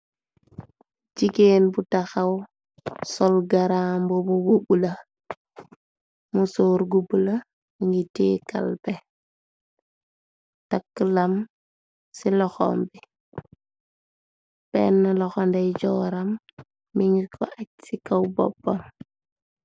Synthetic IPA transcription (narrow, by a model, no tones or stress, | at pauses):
ɟiɡeːnbutaxaw | sɔlɡaɾaːmbobububula | musoːɾɡubula | miŋɡiteːka̰lbɛ | takːəlam | silɔxɔ̰mbi | bɛnːalɔxɔndɛɟɔːɾamː | iŋɡikʰɔ̰ʔac̚sikawbɔ̰bːɔm